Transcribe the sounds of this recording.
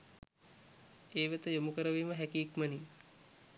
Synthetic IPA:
eːʋet̪əjomukəɾəʋiːməɦɛkiːkməni

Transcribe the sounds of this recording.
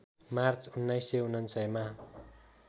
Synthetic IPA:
mart͡sunːʌjseunʌnsʌjma

